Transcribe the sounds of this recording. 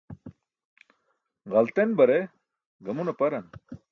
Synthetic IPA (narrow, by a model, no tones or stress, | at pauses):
ʁɐlt̪enbɐɾe | ɡɐmunɐpɐɾɐn